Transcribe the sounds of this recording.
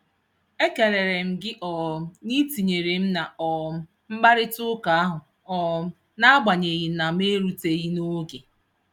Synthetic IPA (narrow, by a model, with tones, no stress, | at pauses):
e˦ke˨ɾe˨ɾe˨m̩˦ɡɪ˦ʔɔ˨ni˦ti˨ɲe˨ɾe˨m̩˦na˨ɔ˨˦ | m̩˦ɡ͡ba˦ɾɪ˦tʊ˦ka˨a˦ɦʊ˨ | ɔ˨ | na˦a˦ɡ͡ba˨ɲe˨ɣi˨na˨m˦e˦ɾu˦te˨ɣi˦no˦ɡe˨